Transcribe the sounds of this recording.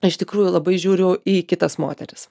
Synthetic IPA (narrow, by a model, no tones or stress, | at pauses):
ɐʃɪʃt̪ʲɪkɾuːjʊlˠɐbɐɪʒʲuːɾʲʊʊiːkʲɪt̪ɐsmo̰ːt̪ʲɛɾʲɪs